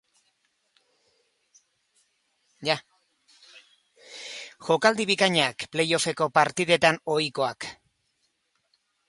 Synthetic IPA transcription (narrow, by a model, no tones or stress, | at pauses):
ja | ʝo̞kald̪iβikaɲakple̞jo̞fe̞ko̞paɾt̪iðe̞t̪ano̞jkoak